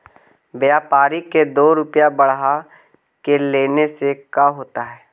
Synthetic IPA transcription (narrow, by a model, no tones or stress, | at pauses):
bjaːpaːɾiked̪oːɾʊpjabɐɽɦa | keleːnesekaɦoːt̪aɦɛː